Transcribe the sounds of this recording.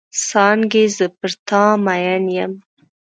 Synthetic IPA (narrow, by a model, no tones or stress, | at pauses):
sɑnɡezəpəɾt̪ɑmajanjəm